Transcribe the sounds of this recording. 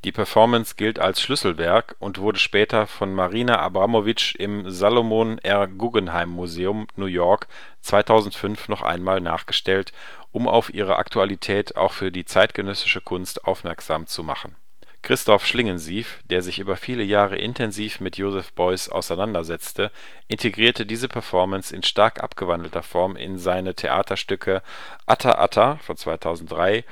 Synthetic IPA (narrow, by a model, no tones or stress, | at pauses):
d̥iːpʰɛɐfɔɐmənsɡ̥ɪlta̰lsʃlʏsl̩vɛɐkʊntv̥ʊɐdəʃpɛːtʰɐfɔnmaʁiːnaʔa̰bʁamovɪt͡ʃʔɪmzaːlomonʔɛɐɡuːɡənɦaɪmːuzeːʊmnuːjɔɐk | t͡sv̥aɪtʰaʊzn̩tfʏnfnɔχʔa̰ɪnmaːlna̰ːχɡ̥əʃtɛlt | ʔʊma̰ʊfʔḭːʁ̞əʔa̰ktʰualitʰɛːtʰa̰ʊxfyːɐdiːt͡saɪtɡ̥ənœsɪ̥ʃəkʰʊnstʔa̰ʊfmɛɐkz̥aːmt͡suma̰χn̩ | kʁ̥ɪstɔfʃlɪŋənziːfd̥eːɐzɪçʔyːbɐfiːləjaːʁə̰ʔɪ̰ntʰɛnziːfmɪtʰjoːzɛfb̥ɔʏsa̰ʊsaɪnandɐzɛt͡stə | ʔɪntʰeɡʁiːɐtədiːzəpʰɛɐfɔɐmənsɪnʃtaɐkʔa̰pɡ̥əvandl̩tɐfɔɐmʔɪ̰nzaɪnətʰḛʔa̰ːtʰɐʃtʏkʰə | ʔatʰa̰ʔa̰tʰafɔnt͡sv̥aɪtʰaʊzn̩td̥ʁaɪ